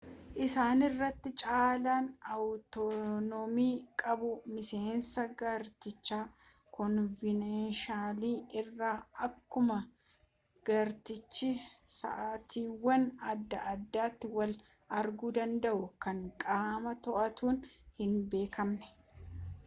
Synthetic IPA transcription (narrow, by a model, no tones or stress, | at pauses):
ʔɪsaːnɪrːɐt̪ːɪt͡ʃʼaːlaːnɐwt̪ɔnɔmiːkʼɐbʊmɪse̞ːnsɐɡɐɾt̪ɪt͡ʃːaː | kɔnvɪnɐnʃaːliːɪrːaːɐkːʊmɐ | ɡ̥ɐɾt̪ɪt͡ʃːɪsɐ̰ʔaːt̪iːwːɐnɐd̪ːɐʔɐd̪ːaːt̪ːɪwɐl | ɐɾɡuːd̪ɐnd̪ɐʔʊkɐŋkʼaːmɐt̪ɔʔɐt̪uːnhɪnbe̞ːkʰɐmnɛ̥